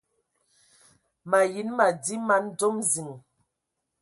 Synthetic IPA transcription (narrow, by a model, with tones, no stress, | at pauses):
ma˨ji˨˦nma˨di˦ma˨˦nd͡zɔ˦mzi˨ŋ